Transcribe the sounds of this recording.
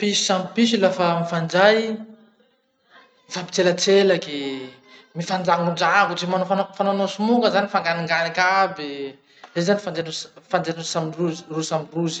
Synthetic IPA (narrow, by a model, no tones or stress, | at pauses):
piʃi̥samipiʃ̬ilafamifand͡ʒaj | ifabi̥t͡selat͡selake | mifand͡zaŋund͡ʒaɡud͡ʒemanofanofananosumukəzanifaŋɡaniŋɡanikʲabi | zezanifand͡zanufand͡zenusamiruzirusamiruzi̥